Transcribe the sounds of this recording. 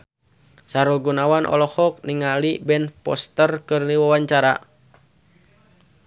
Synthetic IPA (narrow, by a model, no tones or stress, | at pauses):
saɾulɡunawanʔɔ̰lɔhɔk̚niŋalibɛnpɔ̰st̪ərkɨrniwawaɲt͡ʃaɾa̰